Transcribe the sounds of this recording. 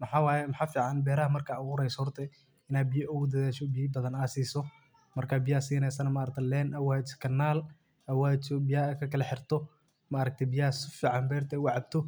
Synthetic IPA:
mɐħaːwaːjɛmɐħaːfiːʕɑnbɛːɾɐɦɐmɐrkʰaːʊɣʊɾɛjsɔhɔrt̪ʰɐ | ɪnaːd̪̚bɪjʔɔwʊd̪ɐðɛːʃɔbijbɐðɐnaːsiːsɔ | mɐrkʰaːbɪjaːsiːnɛsɐnɐmɐɐɾɐk̚t̪ʰɛlɛːnʔɐwaːt͡ʃkʰɐnːaːl | ɐwaːt͡ʃɔbɪjaːkʰɐkʰɐlɛħɪrt̪ʰɔ | mɐːɾɐk̚t̪ʰɐbɪjaːsʊfiːʕɑnbɛːrt̪ʰɛwɑʕɑb̚t̪ʰɔ

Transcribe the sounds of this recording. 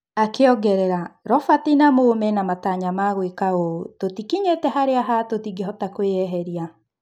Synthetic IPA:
akeɔɡɛɾɛɾaɾɔfatinamoomɛnamataɲamaɣwekaototikiɲetɛɦaɾeaɦatotiɡeɦɔtakweɛɦɛɾia

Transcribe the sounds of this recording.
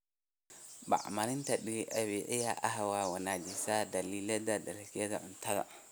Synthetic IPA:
ba̰ʔmaɾintaɗiliʔawiʔɛjaʔaɦawawanad͡ʒisadalilɛdadalkiɛdaʔuntala̰

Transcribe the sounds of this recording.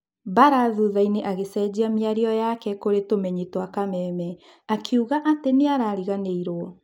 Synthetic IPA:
baɾaðuðaineʔaɣesɛd͡ʑiamiaɾiɔjakɛkoɾetomɛɲitwakamɛːmɛ | akʰeuɣaʔatemeaɾaːɾiɣaneiɾwɔ

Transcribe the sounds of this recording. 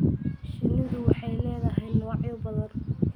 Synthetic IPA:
ʃɪlːɪðʊwɑħɑjlɛːðɐɦɛj̪nɔʕjʊbɐðɐn

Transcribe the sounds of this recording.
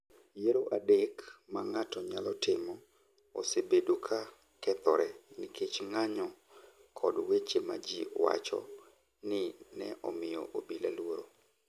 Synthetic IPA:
jeɾoʔadekmaŋatɔɲalɔtɪmɔ | osebedukʰa | kɛt̪ɔɾɛnɪkʰet͡ʃŋaɲɔ | kʰɔdwet͡ʃema̰d͡ʒiwa̰t͡ʃɔ̰ | nɪnɛʔɔmɪjɔ̰ʔobilalwoɾo

